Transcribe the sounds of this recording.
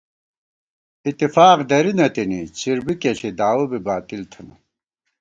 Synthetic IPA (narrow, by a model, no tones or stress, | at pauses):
it̪ːifaːqd̪ɐɾinɐt̪init͡ɕiɾbikeɬid̪aːwubibaːt̪ilt̪ʰɐnɐ